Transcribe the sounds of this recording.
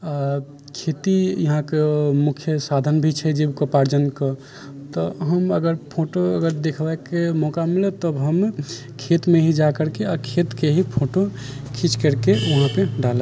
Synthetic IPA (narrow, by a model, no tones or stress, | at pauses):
a | kʰet̪ijəɦãkemukʰjəsad̪ʱənbʱit͡ʃʰɛd͡ʒebkopaɾd͡ʒənkə | t̪ɔɦəməɡəɾpʰoʈoəɡəɾd̪ekʰbɛkemɔkamilɛt̪əbɦəm | kʰet̪meɦid͡ʒakəɾkeakʰet̪keɦipʰoʈokʰit͡ʃkəɾkeʋɐɦãpeɖale